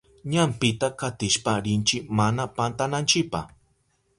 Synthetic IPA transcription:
ɲampɪt̪akat̪ɪʃpaɾɪnt͡ʃɪmanapant̪anant͡ʃɪpa̰

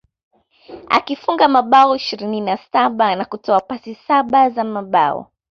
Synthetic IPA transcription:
a̰kifuŋɡamaɓaɔiʃiɾininasaɓanakutɔapasisaɓazamaɓa̰ɔ̰

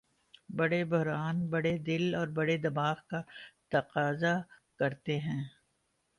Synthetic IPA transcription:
bɐɽebʊɦɾaːnbɐɽed̪ɪlɔːɾbɐɽed̪ɐmaːxkat̪ɐqaːzakɐɾt̪eɦɛ̃ː

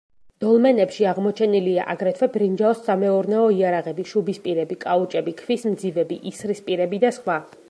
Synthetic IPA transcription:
d̪̥ɔlˠmɛnɛpʃiaʁmɔt͡ʃʰɛnilia̰ʔaɡɾɛt̪ʰvɛbɾind͡ʒaɔsːamɛɔɾnɛɔiaɾaʁɛbiʃubispʼiɾɛbikʼaut͡ʃʼɛbikʰvismd̪zivɛbiʔisɾispʼiɾɛbid̪asχwa

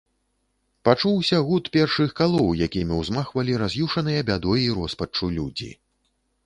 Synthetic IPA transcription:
pat͡ʂuwsʲɐɣut̪pʲɛrʂɨxkalˠɔwjakʲimʲiwzmaxvɐlʲiɾazʲjuʂɐnɨjɐbʲad̪ɔjiɾɔspɐt͡ʂulʲud͡zʲḭ

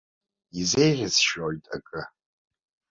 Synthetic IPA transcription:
izejʁʲɪsʃoɥtʼa̰kʼɨ

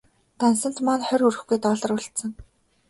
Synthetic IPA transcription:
t̪ansə̆n̥t̪manχœɾurɘ̆xɡujt̪ɔːɮə̆rʊɮt̪sə̆ŋ

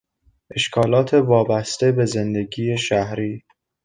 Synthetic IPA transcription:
ʔe̞ʃkʰɒːlɒːt̪ʰe̞vɒːbæst̪e̞be̞ze̞nd̪eɟiːjeʃæhɾiː

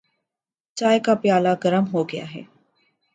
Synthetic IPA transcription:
t͡ʃaːekapɪjaːlaɡɐɾəmɦoːɡɪja̰ɦɛ̰ː

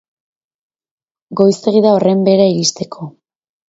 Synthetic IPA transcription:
ɡo̞jst̪e̞ɣiðao̞re̞mbe̞ɾaiɾist̪e̞kʰo̞

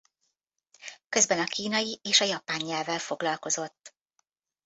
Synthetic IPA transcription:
kø̞zbɛnɒkiːnɒjiʔeːʃɒjɒpaːɲːɛlvɛlfo̞ɡlɒlko̞zo̞t̪ː

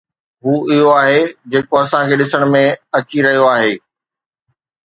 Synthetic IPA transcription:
ɦuːɪɦoaːɦed͡ʑeːkoɐsãkʰeːɗɪsəɽ̃mẽɐt͡ɕiɾɐɦijoaːɦeː

